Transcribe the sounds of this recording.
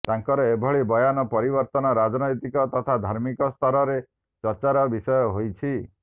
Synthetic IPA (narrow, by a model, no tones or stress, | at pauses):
t̪aŋkɔɾɔebʱɔɭibɔjanɔpɔɾibɔɾt̪ɔnɔɾad͡ʒɔnɔjt̪ikɔt̪ɔt̪ʰad̪ʱaɾmikɔst̪ʰɔɾɔɾe | t͡ʃɔɾt͡ʃaɾɔbisɔjɔɦojt͡ʃʰi